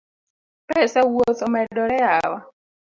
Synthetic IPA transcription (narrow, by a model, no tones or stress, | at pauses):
pɛsawot̪ɔmɛdɔɾɛawa